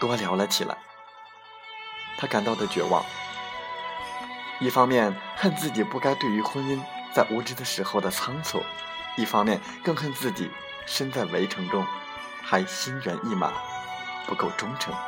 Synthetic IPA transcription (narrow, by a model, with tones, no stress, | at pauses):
t̪wɔ˥ljɑ˧˥ʊlə˧t͡ɕʰi˨˩lʔa̰˧˥ɪ | t̪ʰa˥ka˨˩nt̪ɑ˥˩ʊd̪ə˩t͡ɕɥɛ̰˧˥wɑ̰˥˩ŋ | i˥˩fɑ˥ŋmjɛ˥˧˩nxə˥˧nt͡sɹ̩˥˩t͡ɕi˨˩pu˥˩ka˥ɪt̪we˥˩ɪy˧˥xwə˥ni˥n | t͡sa˥˩ɪʔu˧˥ʈ͡ʂɻ̩˥d̪ə˨ʂɻ̩˧˥xo˥˧ʊd̪ə˩t͡sʰɑ˥ŋt͡sʰṵ˨˩˦ | i˥˩fɑ˥ŋmjɛ˥˧n | kɤ˥˧ŋxə˥˧nt͡sɹ̩˥˩t͡ɕḭ˨˩˦ | ʂə˥nt͡sa˥˩ɪwe˧˥ɪʈ͡ʂʰɤ˧˥ŋʈ͡ʂʊ˥ŋ | xa˧˥ɪɕi˥nɥɛ̰˧˥nʔi˥˩ma̰˨˩˦pu˧˥ko˥˩ʊʈ͡ʂʊ˥ŋʈ͡ʂʰɤ˧˥ŋ